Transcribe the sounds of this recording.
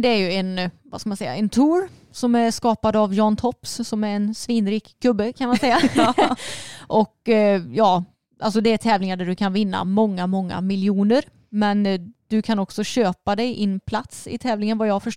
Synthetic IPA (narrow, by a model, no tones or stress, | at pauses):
d̪ɛæɾjɵɛnva̰skamansɛjːa̰ɛnt̪ʰuːɾ | sɔmæɾʂkɑːpad̪avjɑːnt̪ʰɔpssɔmæɾɛnsviːnɾiːkɡɵbːəkʰanmansɛjːa | ʔɔkjɑː | ʔa̰lsɔd̪ɛæt̪ʰɛːvlɪŋaɖæɖɵkʰanvɪnːa̰mɔŋːamɔŋːa̰mɪljuːnəɾ | mɛnd̪̥ɵkʰanɔksɔɕøːpad̪ɛjʔɪnːpʰlat̪sɪ̰t̪ʰɛːvlɪŋənvajɑːfœʂ